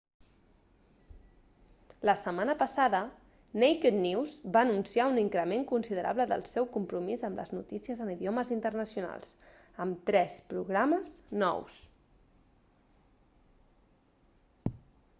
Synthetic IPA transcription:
ləsəmanəpəsaðə | nejked̪niwzβaːnunsiauniŋkɾəmeŋkunsiðəɾʔa̰βləðə̰lˠsɛwkumpɾumizəmlə̰znut̪isiəzəniðioməzint̪ərnəsijuna̰lˠs | əmt̪ɾɛspɾuɣɾaməznɔ̰ws

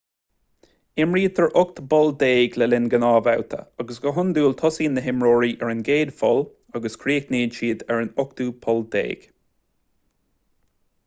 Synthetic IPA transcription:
ɪmɹiːt̪ʰɛɹʔʊkt̪bɔld̪eːɡlɛlɪnɡənɑːvawt̪ʰə̰ɑɡəsɡɔɦʊnd̪uːlt̪ʰɔsiːnːəɦɪmɹoːɹiːʔɛɹɪnɡeːd̪fɔl | aɡəskʰɾiːkneːdʃiːd̪ɛɹənʊk̚t̪uːpʰɔld̪ḛːɡ̥

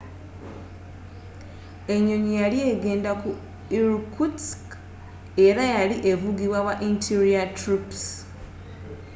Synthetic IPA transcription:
e̞ɲːo̞ɲijalie̞ːɡe̞ːndaku | iɾukutk | e̞ɾajaliʔe̞vuɡiβwawaʔintʰiɾiatɾips

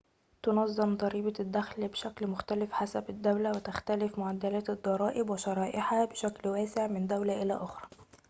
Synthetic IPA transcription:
t̪onɑzˤːɑmd̪ˤɑɾiːbɑd̪ːæxlbeʃæklmʊxt̪ælɪfħasæbɪd̪ːæwlæwɪt̪æxt̪ælɪfmʊʕad̪ːælæːt̪d̪ˤːɑɾˤɑːʔɪbwɪʃɑɾˤɑːʔɪħabeʃæklwæːsɪʕmɪnd̪æwlæʔɪlæ̰ʔoxɾˤɑ

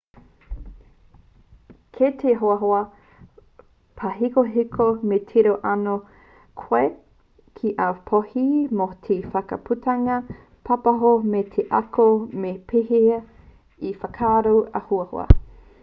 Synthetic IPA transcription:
kʰet̪ʰeɦoɐɦoɐ | pʰɐɦikoɦikʰometʰiɾoʔɐno | kʰoe | kʰiʔapʰohimotʰiːfɐkɐ̰pʰutɐŋɐ | pʰɐpɐɦometʰeʔɐkomepʰihiɐ | ifɐkʰaːɾowɐ̰huɐho̰ɐ̰

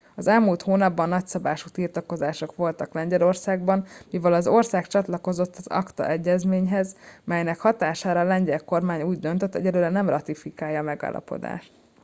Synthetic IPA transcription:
ɒzɛlmuːlt̪hoːnɒbːɒnːɒcsɒbaːʃut̪irt̪ɒko̞zaːʃo̞kʋo̞lt̪ɒklɛɲɟɛlo̞rsaːɡ̚bɒnmivɛlɒzo̞rsaːkt͡ʃɒt̪lɒko̞zot̪ːɒzɒ̰kt̪ɒ̰ʔɛɟːɛzmeːɲɦɛzmɛjnɛkhɒt̪aːʃaːɾɒːlɛɲɟɛlko̞rmaːɲuːɟd̪ø̞nt̪øt̪ːɛɟɛdløːɾɛnɛmrɒt̪ifikaːjːɒːmɛɡa̰ːlːɒ̰po̞̰d̪a̰ːʃt̪

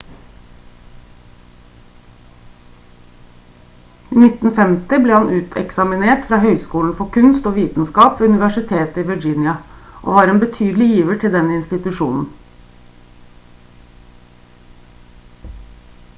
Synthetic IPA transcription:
iːnɪt̪n̩fɛmt̪ɪbleːhɑnʔʉːt̪ʰɛ̰ksɑmɪneːʈfɾɑːhœʏskuːln̩fɔkʰʉnst̪oːʋiːt̪n̩skɑːpːʉnɪʋæʂɪt̪ʰeːt̪əiːʋəd͡ʒɪnjɑʔo̰ːʋɑːɾeːnbət̪ʰyːd̪l̩ɪjiːʋəʈʰɪld̪ɛnəɪnst̪ɪt̪ʉʃṵːnn̩

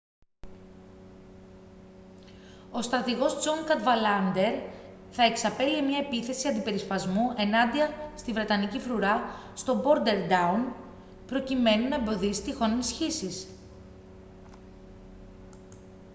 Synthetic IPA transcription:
o̞st̪ɾɐt̪iɣo̞sd͡zoŋkɐt̪vɐlɐnd̪e̞ɾ | θɐe̞ksɐpe̞liemɲɐe̞piθe̞siɐnd̪ipe̞ɾispɐzmuʔe̞nɐnd̪iɐst̪ivɾe̞t̪ɐnicifɾuɾɐst̪o̞bo̞ɾd̪e̞ɾd̪ɐun | pɾo̞cime̞nunɐembo̞ðisi̥t̪ixo̞ninisçisis

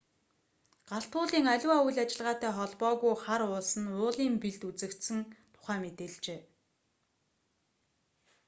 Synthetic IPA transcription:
ɢ̥aɬt̪ʊːɮiːŋaɮʲwaːujɮat͡ɕɪ̆ɮʁaːt̪æːχɔɮpɔːɣujχaɾʊːɮsə̆nʊːɮiːmpiɮt̪ut͡sɘ̆kt̪sɘ̆ŋt̪ʰʊ̥χæːmet̪eːɮt͡ɕeː

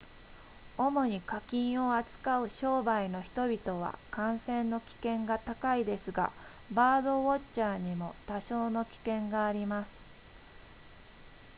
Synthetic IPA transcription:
o̞mo̞ɲ̟ikakʲĩɰ̃o̞at͡sɨ̥kaɯ̟ɕo̞ːbaino̞çi̥t̪o̞bʲit̪o̞β̞a̰kãɰ̃sẽ̞nːo̞kʲi̥kẽ̞ŋɡat̪akaid̪e̞sɨɡa̰ | baːd̪o̞βott͡ɕaːɲ̟imo̞t̪aɕo̞ːno̞kʲi̥kẽ̞ŋɡaːɾʲimasɨ̥

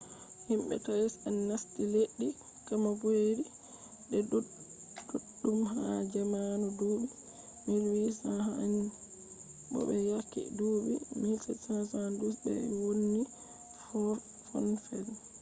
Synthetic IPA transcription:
himɓɛ̰tajɛsɛnːastileɗːi | kamabojɾi | ɗɛ | duɗːumɦad͡ʒamanuduːɓi | milwisahani | ɓɔ̰ɓɛjakːḭduɓḭmilsɛsansandusbɛ̰wonːi | hɔɾ | fɔ̰nfɛl

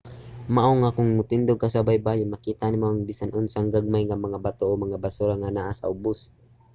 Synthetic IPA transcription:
maʔoŋakʊŋmʊt̪ɪnd̪oɡ̚kasabajbaːjʊnmɐkiːt̪anɪmoʔɐŋbiːsanʔʊnsaŋɡaɡ̚majŋamɐŋabat̪oʔomɐŋabasuɾaŋanaʔasɐ̰ʔʊbʊs

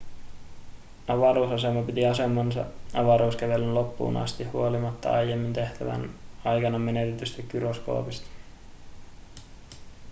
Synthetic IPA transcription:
ɑʋɑɾuːsɑse̞mɑpit̪iɑse̞mːɑnsɑ̰ɑʋɑɾuːskæʋe̞lynlo̞pːṵːnɑ̰st̪ihːuo̞limɑt̪ːɑ̰ɑjjemːint̪e̞ht̪æʋæ̰nɑjkɑnɑmːe̞net̪et̪yst̪ekyɾosko̞̰ːpist̪ɑ̥

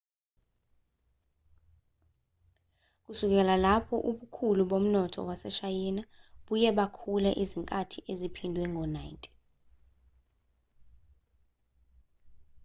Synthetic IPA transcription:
k̬usuk̬ʼɛlalapʰɔʔuɓukʰuluɓom̩nɔtʰɔ̰wasɛʃajinaɓujɛɓakʰulɛʔiziŋkʼatʰiʔezipʰindʱwɛŋɡʱɔnajntʼi̥

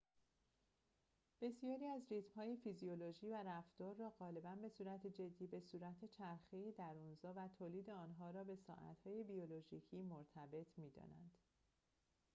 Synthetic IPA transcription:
b̥e̞sijɒːɾiːæzrit̪mhɒːje̞fizioloʒiːvæɾæft̪ɒːɾːɒːɣɒːle̞bænbe̞suːɾæt̪ʰed͡ʒe̞d̪ːiːbe̞suːɾæt̪ʰet͡ʃʰæɾxejid̪æɾunzɒːvæt̪ʰoːliːd̪e̞ɒːnɦɒːɾɒːbe̞sɒ̰ːʔæ̰t̪hɒːje̞bioloʒiːcʰiːmoɾt̪ʰæbe̞t̪ʰmiːd̪ɒ̰ːnæ̰nd̪̥

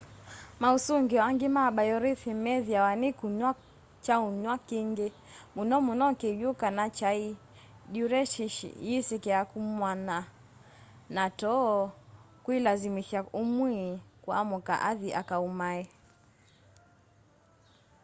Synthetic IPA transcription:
mausuŋɡiɔaŋɡimaɓajɔɾiθimɛðiawanikuɲwa | t͡ʃauɲwakiŋɡɛ | munɔmunɔkijukanat͡ʃai | ɗuɾɛʃiʃḭjisikɛakumwana | natɔ | kuilazimiʃaumwikwa̰muka̰ʔaðiʔakaumaɛ

